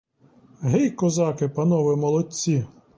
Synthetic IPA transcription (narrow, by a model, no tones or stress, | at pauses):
ɦejkɔzɑkɪpɐnɔʋɪmɔlˠɔt͡sʲːi